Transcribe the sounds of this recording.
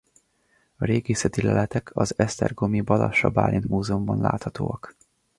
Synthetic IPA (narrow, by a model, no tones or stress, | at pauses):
ɒɾeːɡisɛt̪ilɛlɛt̪ɛkʰɒzɛst̪ɛrɡomibɒlɒ̰ʃɒbaːlinmuːzɛumbɒnla̰ːt̪hɒt̪oːɒk